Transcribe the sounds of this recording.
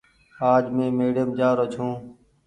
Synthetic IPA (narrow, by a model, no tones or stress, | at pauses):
aːd͡ʒmẽːmeːɽəmd͡ʒaːɾot͡ʃʰõː